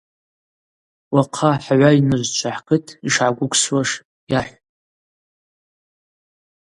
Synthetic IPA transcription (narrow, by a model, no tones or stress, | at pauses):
waqʰaħʕʷainɨʒʷt͡ʃʷʰaħqɨtʰiʂʕaɡʷʊkʷswaʂ | jaħʷ